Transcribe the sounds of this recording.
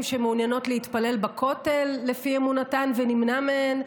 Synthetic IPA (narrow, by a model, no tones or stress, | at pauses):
mʃemeunjano̞tleit̪pale̞lbakʰo̞te̞lːe̞fiemunatanvenimnameen